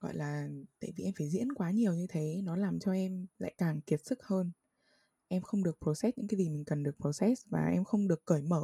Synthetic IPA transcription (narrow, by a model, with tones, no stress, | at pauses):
ɣɔ̰˧˨jlaː˨˩t̪a̰ː˧˨jvi˨˩ʔɛ˧mfaː˧˩jzḭ˧˥ənkwaː˨˦ɲi˨˩əwɲɨ˧t̪ʰe˨˦nɔ˨˦laː˨˩mt͡ɕɔ˧ʔɛ˧mla̰ː˧˨jkaː˨˩ŋki˨˩ət̚sɨ˦˥k̚həː˧n | ʔɛ˧mxə˧wŋ͡mɗɨ˨˩ək̚po˨˧˩sɛ˦˥t̚ɲɨ̰˧˥kaː˨˦zi˨˩mï˨˩ŋ̟kə˨˩nɗɨ˨˩ək̚po˨˧˩sɛ˦˥t̚vaː˨˩ʔɛ˧mxə˧wŋ͡mɗɨ˨˩əkːəː˧˩jməː˧˩